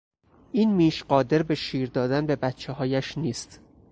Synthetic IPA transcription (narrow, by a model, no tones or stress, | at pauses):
ʔiːnmiːʃɢɒːd̪e̞ɾbe̞ʃiːɾd̪ɒːd̪ænbe̞bæt̪̚t͡ʃʰeɦɒːjæʃniːst̪